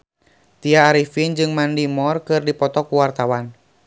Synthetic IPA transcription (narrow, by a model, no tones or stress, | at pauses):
t̪iaːɾifind͡ʒɨŋmandimɔrkɨrdipɔt̪ɔkuwart̪awan